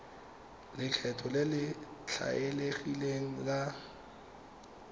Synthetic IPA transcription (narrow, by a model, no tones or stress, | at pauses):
lɪt͡ɬʰɛtʰɔlɪlɪt͡ɬʰa̰eleχileŋ̩la